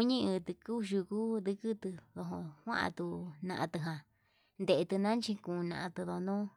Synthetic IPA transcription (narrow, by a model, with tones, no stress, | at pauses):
ku˧ɲĩ˦ɨ˧t̪ɨ˧ku˦˧ʃu˧ku˦ðɨ˧kɨ˦t̪ɨ˧ðo˧ɦõ˧hwã̰˦ʔa̰˧t̪u˧nã̰˧ʔã̰˧t̪ɨ˧ɦã˧ | nd̪e˨ʔe˧t̪ɨ˧nã˦nt͡ʃĩ˧kũ˧nã̰˧ʔã˧t̪ɨ˧ðo˧nõ˦